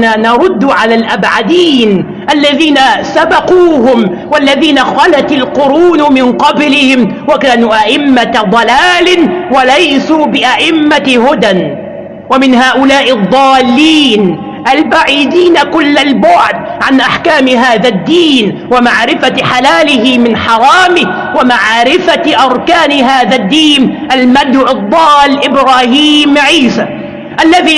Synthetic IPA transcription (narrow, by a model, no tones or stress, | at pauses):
aːnɑɾˤʊd̪ːʊʕalaːlʔabʕad̪iːn | ʔalːaðiːnasabɑquːɦʊm | walːaðiːnaxɑlat̪alqʊɾuːnʊmɪnqɑblɪhɪmwakaːnuːʔaʔɪmːad̪ˤɑlaːlɪwalajsuːbɪʔaʔɪmːahʊd̪an | wamɪnɦaːʔʊlaːʔɪd̪ˤːɑːlːiːn | ʔalbaʕiːd̪iːnakʊlːalbʊʕd̪̚ʕanʔaħkaːmɪɦaːðad̪ːiːnwamaʕɾɪfaħalaːlɪhɪmɪnħɑɾˤɑːmɪ | wamaʕɾɪfaʔɑɾˤkaːnɪɦaːðad̪ːiːnʔalmad̪ʕɨd̪ˤːɑːlʔɪbɾaːhiːmʕiːsaː | ʔalːaðiː